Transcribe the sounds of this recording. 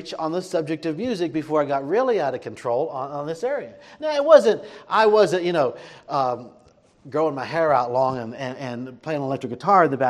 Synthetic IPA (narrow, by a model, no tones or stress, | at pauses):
t͡ʃn̩ðəsʌb̚d͡ʒɨk̚tʌvmjʉzɨk̚b̥ɨfɔɹaɪɡɑt̚ɹɪlˠiaʊɾʌv̥kʰɨ̃ntʰɹ̥oʊlˠə̃nə̃nðɪsɛɹiɨnaʊɨt̚wʌzɨ̃nt̚ʔaɪwʌzɨ̃jɨñoʊʌ̃m | ɡɹoʊɪ̃ŋmaɪɦɛɹaʊtˡlɔ̃ŋɨ̃nɨ̃nɨ̃npʰl̥eɪɨ̃nəlɛk̚tɹ̥ɨk̚ɡ̥ɨtʰɑɹɨt̪̚ðɨbæ